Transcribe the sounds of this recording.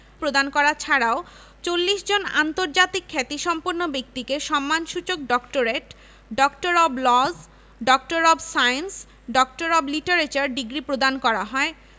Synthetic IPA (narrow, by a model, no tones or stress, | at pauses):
pɾod̪ankɔɾat͡ɕʰaɾao | t͡ɕolːiʃd͡ʑona̰nt̪oɾd͡ʑat̪ikʰːɛt̪iʃɔmpoɾnːobek̚t̪ikeʃɔmːanʃut͡ɕok̚ɖɔkʈoɾeʈ | ɖɔkʈoɾɔblɔz | ɖɔk̚ʈoɾɔbsajens | ɖɔk̚ʈoɾɔbliʈoɾet͡ɕaɾɖiɡɾipɾod̪ankɔɾaɦɔe